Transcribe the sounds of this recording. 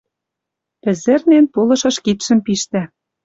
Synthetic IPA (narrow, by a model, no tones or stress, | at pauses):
pɘ̆zɘ̆rnenpolɤ̆ʃɤ̆ʃkit̪ʃɘ̆mpiʃt̪æ